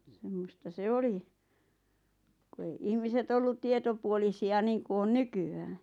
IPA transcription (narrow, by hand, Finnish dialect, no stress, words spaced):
semːostɑ se oli ku ei ihmiset olːut tietopuolisiɑ niːŋku on nykyæː